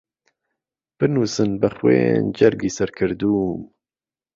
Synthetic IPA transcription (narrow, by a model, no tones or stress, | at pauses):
b̥ɨnusɨnbɨxwḛːnd͡ʒɛɾɡiːsɛɾkʰɨɾd̪uːm